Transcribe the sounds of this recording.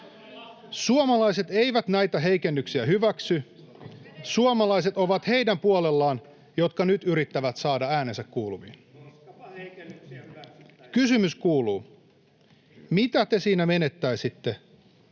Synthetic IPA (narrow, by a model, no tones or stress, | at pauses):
suomɑlɑjse̞t̪e̞jʋæt̪næjt̪æɦe̞jke̞nːyksiæhyʋæksy | suomɑlɑjse̞t̪o̞ʋɑt̪he̞jdæmpuolelːɑːn | jo̞t̪kɑnyt̪yɾit̪ːæʋæt̪sɑːdɑæːne̞nsækkuːlumḭːn | kysymyskuːluː | mit̪æt̪e̞siːnæme̞ne̞t̪ːæjsit̪ːe̞